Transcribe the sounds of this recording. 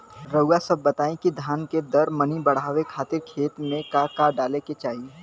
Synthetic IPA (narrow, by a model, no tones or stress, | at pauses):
ɾəasɐbːɐt̪aːẽkid̪ʱaːnked̪ɐɾmɐnibɐɽ̤aːʋekʰaːt̪ɪɾkʰeːt̪mẽkakaɖaːleket͡ʃaːɦieː